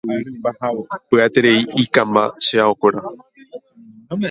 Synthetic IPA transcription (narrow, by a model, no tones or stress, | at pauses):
pɨat̪eɾe̞iikãmba̰ʃeaokʷeɾa